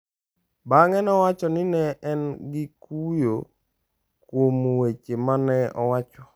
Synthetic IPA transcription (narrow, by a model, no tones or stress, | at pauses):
baŋɛnɔwat͡ʃɔnɪnɛɛnɡɪkujo | kwomwet͡ʃemanɛɔwat͡ʃɔ